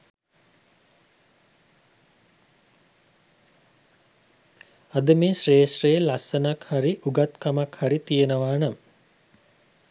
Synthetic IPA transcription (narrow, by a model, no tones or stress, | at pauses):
ad̪əmeːʃreːʃrejəlasənakhaɾiʔuɡat̪kamakhaɾit̪ijenəʋaːnam